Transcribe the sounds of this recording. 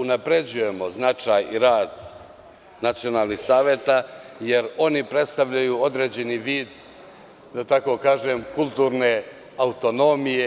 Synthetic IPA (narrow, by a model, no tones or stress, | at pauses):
unapɾe̞d͡ʑuje̞mo̞znat͡ʃaːjiɾaːd̪ | nat̪sio̞naːlˠnixsaːʋje̞t̪aje̞ɾo̞nipɾe̞t̪st̪aʋʎajuo̞d̪ɾed͡ʑe̞niʋiːd̪ | d̪at̪ako̞kaːʒemkulˠt̪uːɾne̞ | aut̪o̞no̞mije